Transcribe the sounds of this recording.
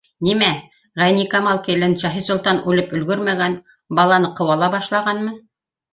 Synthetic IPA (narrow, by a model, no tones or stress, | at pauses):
nimæ | ʁæjnikɑmɑlˠkilɘnʃɑɦisulˠt̪ɑnʉlɘpɵ̆lɡɵɾmæɡæn | bɑlˠɑnɤqɤ̆wɑlˠɑbɑʃlˠɑʁɑnmɤ